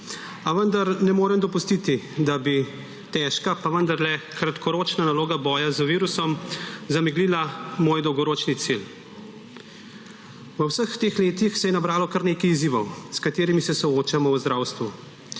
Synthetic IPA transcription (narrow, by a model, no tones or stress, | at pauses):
aʋənd̪aɾnɛmoːɾɛmd̪ɔpust̪it̪id̪abi | t̪ɛːʃkapaʋənd̪aɾlɛkɾat̪kʰɔɾoːt͡ʃnanaloːɡabɔːjazəʋiːɾusɔmzamiɡliːlamoːjd̪ɔwɡɔɾoːt͡ʃnit̪sil | ʋwəwsəxt̪eːxleːt̪ixsɛjɛnabɾaːlɔkaɾneːkɐjiziːʋɔwskat̪eːɾimisɛsɔoːt͡ʃamɔwzd̪ɾaːwst̪ʋu